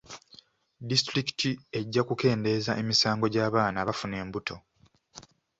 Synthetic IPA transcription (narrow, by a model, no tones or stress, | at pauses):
distɾiktʰie̞ɟːakuke̞ːnde̞ːzaʔe̞misaːŋɡo̞ɟaːβaːnaβafune̞ːmbutʰo̞